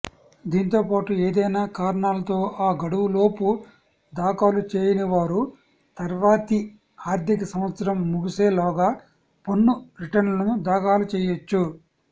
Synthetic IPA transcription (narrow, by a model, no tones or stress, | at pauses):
d̪iːnt̪o̞ːpaːʈueːd̪ɐjnaːkaːɾɐɳaːlɐt̪o̞ːʔaːɡɐɽuʋulo̞ːpu | d̪aːkaːlut͡ʃeːjinɐʋaːɾu | t̪ɐɾʋaːt̪i | aːɾd̪ʱikɐsɐmʋɐt̪sɐɾɐmːuɡiseːlɔːɡaː | ponːuɾiʈɐnlɐnuud̪aːkaːlut͡ʃɛːjot͡ʃːu